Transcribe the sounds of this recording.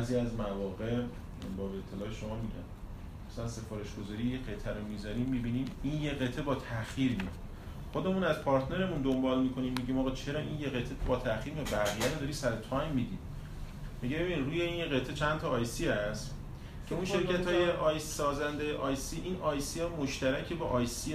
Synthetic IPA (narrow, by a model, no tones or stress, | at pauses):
bæziæzmævɒːɣe̞ʔ | bɒːbet̪ʰːelɒːeʃo̞mɒːmiɟæ̰m | mæsælænse̞fɒːɾe̞ʃɡ̥ozɒːɾiːjeqe̞t̪ʰæɾomizɒɾiːmːibiːniːminje̞ɣe̞t̪ʰe̞bɒːt̪ʰæxjiːɾmiḛ | xo̞d̪e̞muːnæzpʰɒːɾt̪ʰneɾe̞mund̪ombɒːlmikʰo̞niːmːiɟiːmɒːɣɒːt͡ʃʰe̞ɾɒːʔinjeɣe̞t̪ʰebɒːt̪ʰæχiːɾmiebæʁijæɾod̪ɒːɾisæɾot̪ʰɒjmːid̪iːd̪ | miɟebebiniɾuːje̞iːnjeɣe̞t̪ʰe̞t͡ʃʰænt̪ʰɒːjsiːæst̪ | cʰe̞unʃe̞ɾkʰæt̪hɒːjeʔɒjssɒːzænd̪ejeʔɒːjsiːʔinʔɒjsiɒmoʃt̪æɾæcʰe̞bɒʔɒjsi